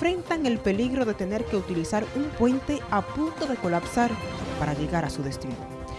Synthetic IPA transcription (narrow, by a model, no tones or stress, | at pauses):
fɾe̞nt̪aŋe̞lpe̞liɣɾo̞ðe̞t̪e̞ne̞ɾke̞ut̪ilisaɾumpwe̞nt̪e̞apunt̪o̞ðe̞ko̞lapsaɾpaɾaʎe̞ɣaɾasuðe̞st̪ino